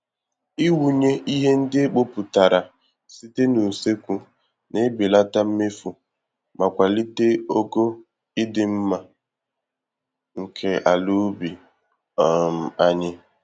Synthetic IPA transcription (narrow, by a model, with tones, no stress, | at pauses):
i˦wu˨ɲe˦ʔi˦ɦe˦n̩˦dɪ˦e˦k͡po˦pu˨ta˨ɾa˨ | si˦te˦nu˨se˦kʷu˨ | nɪ˦bɪ˨la˦ta˦m̩˦me˦fu˨ | ma˨kʷa˨li˦te˦o˦ɡo˦ | ɪ˦dɪ˨m̩˦ma˦ | ŋ̩˨kʰe˦ʔa˨lu˦bi˨ | m̩˨a˦ɲɪ˦